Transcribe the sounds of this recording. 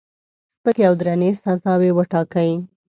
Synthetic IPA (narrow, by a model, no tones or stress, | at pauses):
spəkeawd̪ɾanesazɑwewəʈɑkaji